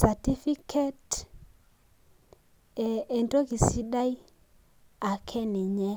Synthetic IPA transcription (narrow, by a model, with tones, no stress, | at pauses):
sa˨ti˦fi˦kʰɛ˦t | ɛ˨ntɔ˦ki˨si˦ɗa˦i˦ | a˨kʰɛ˦ni˨ɲɛ˦